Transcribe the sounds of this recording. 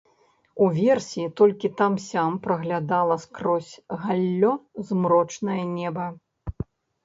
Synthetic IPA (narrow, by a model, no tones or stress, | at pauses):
uvʲɛrsʲit̪ɔlʲkʲit̪amsʲampɾɐɣlʲad̪alˠɐskɾɔsʲɣalʲːɔzmɾɔt͡ʂnɐjɐnʲɛbɐ